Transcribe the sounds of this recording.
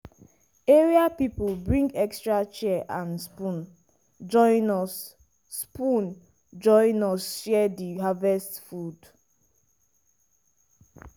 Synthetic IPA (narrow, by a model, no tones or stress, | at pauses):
eɹiapipulbɹĩŋɡɛkstɹat͡ʃɛʔãnspũn | d͡ʒɔ̃ɪ̃nɔs | spũn | d͡ʒɔ̃ɪ̃nɔsʃɛdiɦavɛstfud